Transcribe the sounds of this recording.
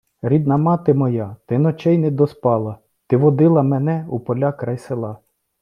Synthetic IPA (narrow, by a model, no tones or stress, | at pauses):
ɾʲid̪̚nɐmɑt̪ɪmɔjɑt̪ɪnɔt͡ʃɛjnɛd̪ɔspɑlˠɐ | t̪ɪʋɔd̪ɪlˠɐmɛnɛupɔlʲakɾɑjselˠɑ